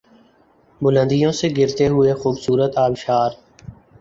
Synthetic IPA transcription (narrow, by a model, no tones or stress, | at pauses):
bʊlə̃nd̪ijõːseɡɪɾt̪eɦʊeːxuːbsuːɾət̪aːʋʃaːɾ